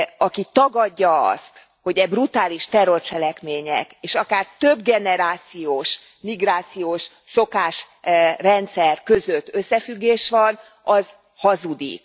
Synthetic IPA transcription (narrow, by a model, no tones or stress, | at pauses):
ɒkit̪ɒɡɒɟːɒɒ̰st̪ | ho̞ɟɛbrut̪aːliʃt̪ɛro̞rt͡ʃɛlɛkmeːɲɛ̰keːʃɒkaːrt̪ø̞bɡɛnɛɾaːt̪sijoːʃ | miɡraːt̪sijoːʃ | so̞kaːʃː | ɛnt̪sɛrkøzøt̪ːø̞sːɛfyɡːeːʃʋɒn | ɒz̥ | hɒzud̪ḭk